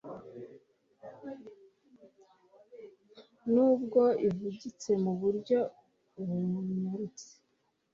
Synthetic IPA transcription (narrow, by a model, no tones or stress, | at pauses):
nuːbɡo̞ivuɟit͡se̞muβuɾɟo̞ | uβuɲmuɾut͡se̥